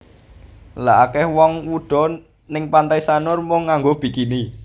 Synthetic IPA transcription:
la̰ʔakɛhwɔŋwuɖ̪̥ɔ̤ | nɪŋpant̪aisanʊrmʊŋːaŋɡob̥i̤kini

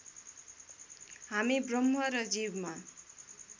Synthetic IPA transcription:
ɦamibrʌmɦʌɾʌd͡zibma

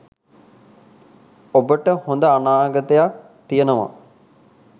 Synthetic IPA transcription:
obəʈəhond̪əanaːɡət̪əjak̚ | t̪ijənəʋa̰

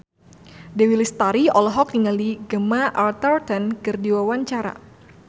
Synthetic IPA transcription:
dɛwilist̪aɾiɔlɔɦɔk̚niŋaliɡəmaʔart̪ərt̪ɔnkərdiwawaɲt͡ʃaɾa̰

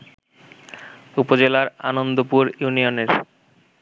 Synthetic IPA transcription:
upod͡ʑelaɾa̰nond̪opuɾjunioneɾ

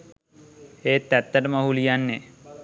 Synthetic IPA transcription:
eːt̪ːæt̪ːəʈəmaɦulijanːe

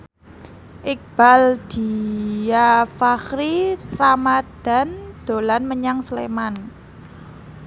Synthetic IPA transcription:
ʔɪk̚b̥a̤ld̪̥i̤jafaxɾiramad̥a̤nd̪̥o̤lanməɲaŋsleman

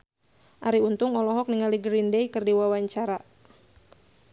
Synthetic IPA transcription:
ʔaɾiunt̪ʊŋɔlɔɦɔk̚niŋaliɡɾindejkɨrdiwawaɲt͡ʃaɾa

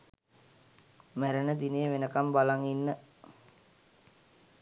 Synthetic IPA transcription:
mæɾənəd̪inejʋenəkambalaŋinːə

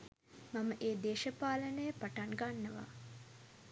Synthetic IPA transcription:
maməʔeːd̪eːʃəpaːlənəjəpaʈaŋɡanːəʋa̰

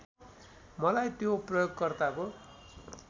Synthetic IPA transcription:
mʌlajt̪joprʌjoɡkʌrt̪ako

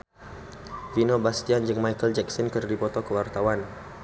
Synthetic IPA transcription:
vinobast̪iand͡ʒɨŋmajkəld͡ʒɛksɔnkərdipɔt̪ɔkəwart̪awan

